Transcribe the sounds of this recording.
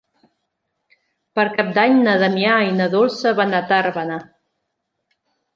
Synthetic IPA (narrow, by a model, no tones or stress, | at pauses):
pəɾkap̚d̪aɲnəðəmiajnəðolˠsəβanat̪aɾβana